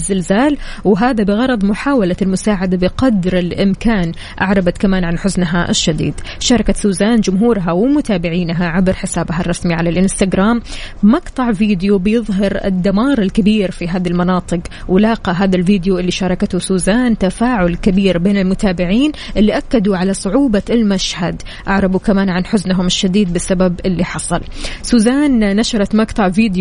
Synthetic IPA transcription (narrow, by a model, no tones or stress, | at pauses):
zːɪlzaːlwɦaːðabɪɣɑɾˤɑd̪ˤmʊħaːwalaɪlmʊsaːʕad̪abɪqɑd̪ɾɪlʔɪmkaːn | ʔa̰ʕɾˤɑbat̪kamaːnʕanħʊznɦaʔɪ̰ʃːad̪ḭːd̪ʃɑːɾˤɑkasuːzaːnd͡ʒʊmɦuːɾɦawɪmʊt̪aːbɪʕiːnɦaʕabɾħɪsaːbɦarˤːɑsmiʕalalʔɪnst̪aɡɾaːmmɑqt̪ˤɑʕviːd̪ɪjubɪjɨðˤɦɑɾɪ̰d̪ːamɑːɾˤɪlkabiːɾfiɦaːðalmɑnɑːt̪ˤɨqwɪlɑːqɑɦaːðalviːd̪juʔɪlːiʃɑːɾˤɑkat̪ʊsuːzaːnt̪afaːʕʊlkɪbiːɾbeːnɪlmʊt̪aːbɪʕiːn | ʔɪlːiʔakːad̪uʕalasˤʊʕuːbalmaʃhad̪ | ʔaʕɾˤɑbukamaːnʕanħʊznɦʊmɪʃːad̪iːd̪̚bɪsːababʔɪlːiħɑsˤɑ̰lsuːzaːnːaʃɑɾˤɑt̪mɑqt̪ˤɑʕviːd̪j